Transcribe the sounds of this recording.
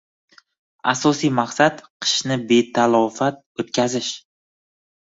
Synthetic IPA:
asɒsijmaqsat̪qʰɨ̥ʃnɪbe̞t̪ʰalˠɒfat̪̚ot̪̚kʲʰazɪʃ

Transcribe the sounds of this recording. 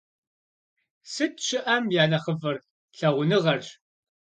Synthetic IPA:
sɨtʰʃɪʔɐmjaːnɐχəvɐr | ɬɐʁʷʊnɨʁɐrɕ

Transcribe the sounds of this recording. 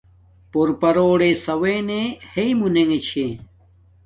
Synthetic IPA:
poɾpɐɾoːɽesɐweːneheimuneŋet͡ɕʰẽ

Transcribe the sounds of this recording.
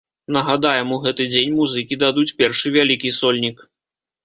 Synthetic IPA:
nɐɣad̪ajɛmuɣɛt̪ɨd͡zʲenʲmuzɨkʲid̪ad̪ut͡sʲpʲɛrʂɨvʲalʲikʲisɔlʲnʲik

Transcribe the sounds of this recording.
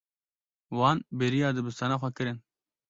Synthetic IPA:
wɑːnbeɾijɑːd̪ɨbɨst̪ɑnaːxʷɛkɨɾɨn

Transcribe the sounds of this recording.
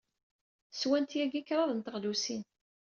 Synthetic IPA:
swænt̪jæɡikɾˤɑðənt̪əʁlusin

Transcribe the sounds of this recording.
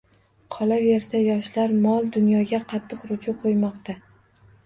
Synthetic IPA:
qʰɒlave̞ɾsajɒʃlaɾmɒlˠd̪ʊnjɒɡʲaqʰɑt̪ʰːɨqɾʊt͡ʃʰʊqʰojmɒqt̪ʰa

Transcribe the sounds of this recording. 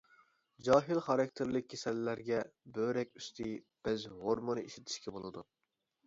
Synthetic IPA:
d͡ʒɑːɦilˠχɑɾɑkʲt̪ʰeɾlɪkʲkʰʲːesɛlːæɾɡʲɛbøɾɛkʲyst̪ʰi | b̥ɛzɦoɾmɨnɨiʃit̪ʰɪ̥ʃkʲʰɛbolˠɨd̪u

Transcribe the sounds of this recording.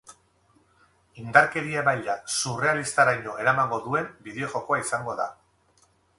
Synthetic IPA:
ind̪aɾke̞ɾiaβajʎasure̞alist̪aɾajɲo̞e̞ɾamaŋɡo̞ðue̞mbiðe̞o̞ʝo̞ko̞aisaŋɡo̞ða̰

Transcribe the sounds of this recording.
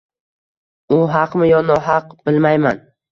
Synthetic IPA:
ʊɦɑqmɪjɒnɒɦɑqb̥ɪlmajman

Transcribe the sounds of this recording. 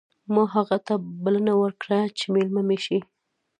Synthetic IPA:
mɑɦaɣat̪abalənawəɾkɽat͡ʃemelmameʃi

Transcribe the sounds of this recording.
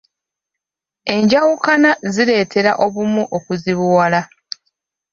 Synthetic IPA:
e̞ɲɟawukanaziɾe̞ːtʰe̞ɾa̰ʔo̞βumuʔo̞kuziβuwala

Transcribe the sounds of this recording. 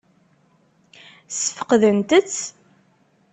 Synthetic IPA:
sə̥fə̥qðənt̪ət͡sː

